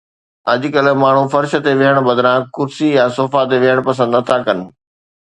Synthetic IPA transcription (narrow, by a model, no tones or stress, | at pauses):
ɐʄʊ̆kɐlmaːɳ̤ufɐɾʃə̆t̪eʋiɦəɽ̃bɐd̪ɾãkʊɾsijãsoːfat̪̬eʋiɦəɽ̃pɐs̬ə̃nd̪nɐt̪ʰakɐnɪ̆